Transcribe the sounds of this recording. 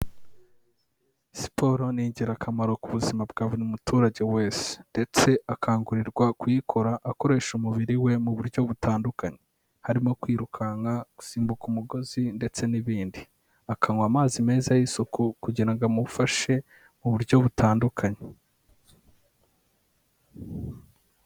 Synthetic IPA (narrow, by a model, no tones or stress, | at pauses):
si̥pʰo̞ɾo̞niːɲɟiɾakamaɾo̞kuβuzimabɡaːβonimutuːɾaɟe̞we̞ːse̥nde̞t͡se̞akʰaːŋɡuɾiɾɡwakwikʰo̞ɾaʔːko̞ɾe̞ːʃumuβiɾiwe̞muβuɾɟo̞βutaːndukaɲe | haɾimo̞kwiːɾukʰaŋɡaku̥siːmbukumuɡo̞zinde̞t͡se̞niβiːndi | akʰaŋwamaːzime̞ːzajisukukuɟiɾaŋɡamuufaʃe̞ | muβuɾɟo̞βutʰaːndukʰaɲe